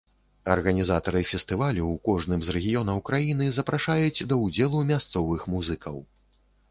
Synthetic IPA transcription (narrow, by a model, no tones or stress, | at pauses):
ɐrɣɐnʲizat̪ɐɾɨfʲɛst̪ɨvalʲuwkɔʐnɨmzɾɛɣʲijɔnɐwkɾajinɨzɐpɾʔaʂajud͡zʲd̪ɐwd͡zʲɛlˠumʲast̪sɔvɨxmuzɨkʰɐw